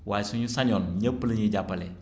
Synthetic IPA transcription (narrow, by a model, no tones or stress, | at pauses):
wasuɲusaɲɔnɲapːələɲed͡ʒapalɛ